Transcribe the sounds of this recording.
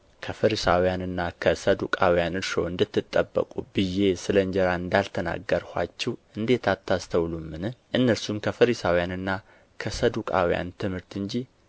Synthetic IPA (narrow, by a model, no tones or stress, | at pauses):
kʰəfəɾisawjanɨnːakʰəsəd̪ukʼawijanɨɾʃo̰ɨnd̪ɨt̪ːɨt̪ʼːəbːə̰kʼubɨjːe̞sɨləɲd͡ʒɛɾaɨnd̪alt̪ʰəna̰ɡːəɾhʷa̰t͡ʃːɛwʔɨnd̪e̞t̪ʰat̪ʰːast̪ʰəwlumːɨnɨʔɨnːəɾsumkʰəfəɾisawijanɨnːa | kʰəsəd̪ukʼa̰wija̰nt̪ʰɨmhɨɾt̪ɨɲd͡ʒi